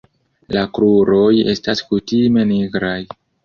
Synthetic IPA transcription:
lakɾuɾo̞je̞̰staskutime̞niɡɾaj

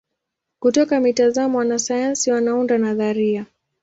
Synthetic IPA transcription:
kutɔkamitazamɔwanasajansiwanaundanaðaɾia

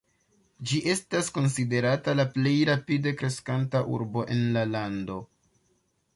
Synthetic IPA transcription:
d͡ʒiʔe̞stasko̞nside̞ɾatalaple̞jɾapide̞kɾe̞skantaʔṵɾbo̞ʔe̞nlalando̞

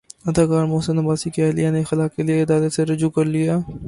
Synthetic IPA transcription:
ɐd̪aːkaːɾmoːsənɐbaːsikeɛːlijanexɪlaːkelieɪd̪aːɾət̪seɾɐd͡ʒukɐɾlijaː

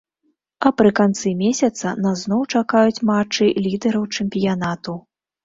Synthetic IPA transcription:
ɐpɾɨkant̪sɨmʲesʲɐt̪sɐnɐznɔwt͡ʂakajut͡sʲmat͡ʂːɨlʲid̪ɛɾɐwt͡ʂɛmʲpʲijanat̪u

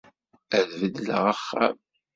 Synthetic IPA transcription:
æðvəd̪lə̰ʁəχːæ̰m

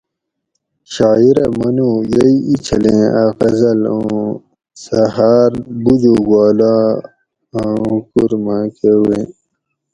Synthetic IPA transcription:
ɕaːiɾɐmɐnũːjɐiit͡ɕʰɐlẽːaːkɐzɐlõ | sɐɦaːɾbud̪uɡwaːlãː | kuɾmãːkewẽː

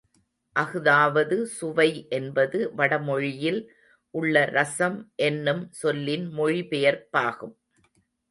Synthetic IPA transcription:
ʔɐɣɯðaːʋɐðɯsʊʋɐɪʔɛnbɐðɯʋɐɽɐmɔɻɪjɪl | ʔʊɭːɐɾɐsɐmʔɛnːɯmsɔlːɪnmɔɻipɛjɐɾpaːɣɯm

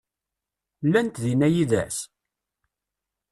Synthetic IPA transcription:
lːænt̪ðinæjiðæ̰s

